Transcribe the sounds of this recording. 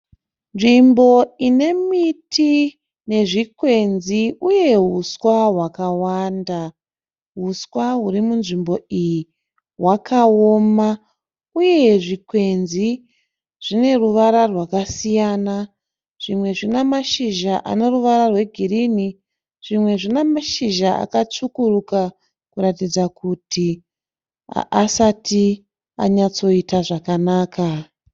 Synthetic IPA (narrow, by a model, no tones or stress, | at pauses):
nʐimbo̞ine̞mitʰi | ne̞ʐikwe̞nziuje̞ɦuswaɦwakawaːnda | ɦuswaɦuɾimunʐimbo̞iji | ɦwakaoːma | uje̞ʐikwe̞nzi | ʐ̥ine̞ruʋaɾarwakasijaːna | ʐ̥imwe̞ʐinamaʃiʒaʔa̰ne̞ruʋaɾarwe̞ɡʱirini | ʐ̥imwe̞ʐinamaʃiʒaa̰kat͡ʂukuruka | kuɾatid͡zakutʰḭ | asati | a̰ɲat͡so̞itaʐakanaːkʰa